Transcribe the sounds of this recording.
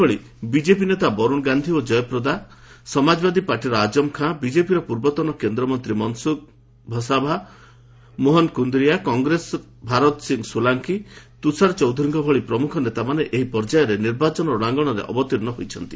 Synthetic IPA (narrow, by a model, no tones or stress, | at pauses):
ɔɭi | bid͡ʒepinet̪abɔɾuɽ̃ɡand̪ʱiod͡ʒɔjɔpɾɔd̪asɔmad͡ʒɔbad̪ipaɾʈiɾɔad͡ʒɔmkʰãbid͡ʒepiɾɔpuɾbɔt̪ɔnɔkend̪ɾɔmɔnt̪ɾimɔnsuk̚ | bʱɔsabʱa | moɦɔnkund̪ɾijakɔŋɡɾes | bʱaɾɔt̪ɔsiŋɡsulaŋkit̪usaɾt͡ʃɔwd̪ʱɔɾiŋkɔbʱɔɭipɾɔmukʰɔnet̪amaneʔeɦipɔɾd͡ʒajɔɾeniɾbat͡ʃɔnɔɽaŋɡɔɽ̃ɔɾḛʔɔ̰bɔt̪iɾnɔɦojt͡ʃʰɔnt̪i